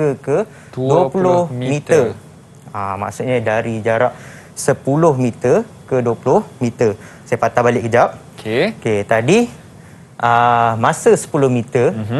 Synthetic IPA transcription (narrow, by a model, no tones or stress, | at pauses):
əkə | duəpullʊhmit̪ə | ama̰ʔsuʔɲadaɾid͡ʒaɾaʔ | səpulʊhmit̪əkəduəpulʊhmit̪ər | sajafat̪abalɪʔkəd͡ʒap̚ | koket̪adi | ʔəmãsəsə̥pulʊhmit̪ə